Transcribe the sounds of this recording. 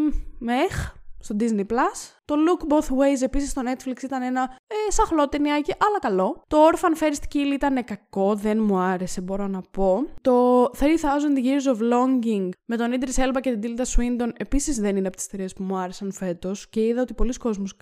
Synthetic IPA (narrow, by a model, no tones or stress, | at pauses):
mexst̪o̞d̪izniplɐst̪o̞lukboθwejze̞pisist̪o̞ne̞t̪fliksit̪ɐne̞nɐesɐxlo̞t̪eniɐciʔɐlɐkɐlo̞t̪ooɾfɐnfe̞ɾist̪i̥cilit̪ɐne̞kɐko̞ðe̞nmuɐɾe̞se̞bo̞ɾo̞nɐpo̞t̪o̞θɾiθɐzond̪ʝiɾzovlo̞ɲɟiŋɡme̞t̪o̞nid̪ɾise̞lbɐce̞t̪id̪ilt̪ɐswind̪o̞ne̞pisizðe̞nineɐpot̪i̥st̪iɾiːspumuɐɾe̞sɐnfe̞t̪o̞sce̞iðɐo̞t̪ipo̞lisko̞zmus